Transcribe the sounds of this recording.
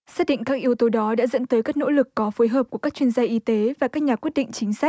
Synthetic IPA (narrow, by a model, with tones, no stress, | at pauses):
saː˦˥t̚ɗḭ˧˨ŋ̟kaː˦˥k̚ʔi˧əwt̪o˨˦ɗɔ˨˦ɗa̰ː˧˥zə̰˧˥nt̪əː˨˦jkaː˦˥k̚no̰˧˥lɨ˨˩kːɔ˨˦foː˨˦jɦəː˨˩p̚ku˧˩əkaː˦˥k̚t͡ɕwi˧ənzaː˧ʔi˨˦t̪e˨˦vaː˨˩kaː˦˥k̚ɲaː˨˩kwi˦˥ət̚ɗḭ˧˨ŋ̟t͡ɕï˨˦ŋ̟sa˦˥k̚